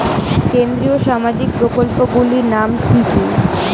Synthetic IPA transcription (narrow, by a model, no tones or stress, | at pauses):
kend̪ɾioʃamad͡ʑik̚pɾokolpoɡuliɾnamkʰiki